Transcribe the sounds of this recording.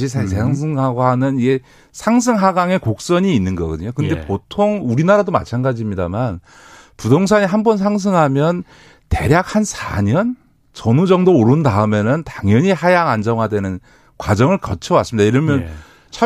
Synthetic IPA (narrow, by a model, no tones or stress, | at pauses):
isʰesʰeaŋs̬ʰɯŋɦaɡohanɯnie̞ | sʰaŋs̬ʰɯŋɦaɡaŋe̞kok̚s͈ʌɲiːnːɯnɡʌɡɯ̰dɯɲokɯndepotʰoŋuɾinaɾadoma̰t͡ɕʰanɡad͡ʑimɲidaman | pudoŋs̬ʰaɲiɦambʌnsʰaŋs̬ʰɯŋɦamjʌn | te̞ɾjak̚hansʰa̰ɲʌn | t͡ɕʌnud͡ʑʌŋdooɾɯndaɯme̞nɯntaŋjʌɲihajaŋand͡ʑʌŋwadwe̞nɯn | kwad͡ʑʌŋɯɭkʌt͡ɕʰʌwas͈ɯmid̥̪aiɾʌmjʌn | t͡ɕʰa